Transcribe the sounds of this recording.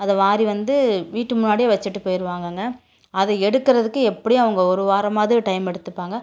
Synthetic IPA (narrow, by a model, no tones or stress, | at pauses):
ɐðɐʋaːɾiʋɐnd̪ɯʋiːʈːɯmʊnːaːɽɪijɐʋɐt͡ʃːɪʈːɯpoːjɪɾɯʋaːŋɡɐŋɡɐ | ɐðɐɛɽɯkːɪɾɐðɯkːɯɛpːɐɽijɐʋɐŋɡɐɔɾɯʋaːɾɐmaːðʈɐɪmɛɽɯt̪ːɯpːaːŋɡɐ